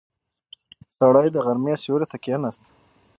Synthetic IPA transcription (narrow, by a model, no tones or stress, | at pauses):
saɽajd̪əɣaɾmesoɾet̪akenast̪